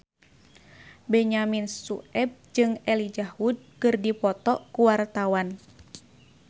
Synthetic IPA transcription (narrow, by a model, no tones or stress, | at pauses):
bɛɲaminsuɛb̚d͡ʒɨŋɛlid͡ʒahud̚kɨrdipɔt̪ɔʔkuwart̪awan